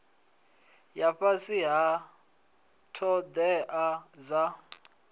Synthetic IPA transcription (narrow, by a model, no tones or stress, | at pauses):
jaɸasiɦa | tʰɔd̪ɛʔad͡za